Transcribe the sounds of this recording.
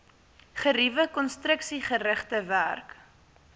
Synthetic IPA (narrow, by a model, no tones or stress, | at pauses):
χəɾivəkɔnstrəksiχəɾəχtəværk